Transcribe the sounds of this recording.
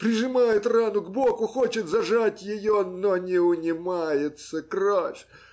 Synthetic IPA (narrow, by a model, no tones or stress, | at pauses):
pɾʲɪʐɨmajɪt̪ranʊɡbokʊxot͡ɕɪt̪zɐʐatʲjɪjononʲɪʊnʲɪmajɪt̪səkrafʲ